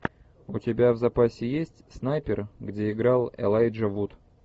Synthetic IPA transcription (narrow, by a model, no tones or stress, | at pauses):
ʊtʲɪbʲavzɐpasʲɪjesʲtʲsnajpʲɪrɡdʲeɪɡɾalˠɛ̰lˠajʐɐvut̪